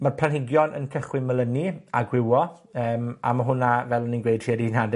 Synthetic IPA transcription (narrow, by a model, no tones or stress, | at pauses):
marpʰlanɦɪɡjɔnʔə̰nkʰəχwɪməlˠəniaɡwɪwɔəːma̰maɦʊnavɛlˠɔninɡwejd̥riədinad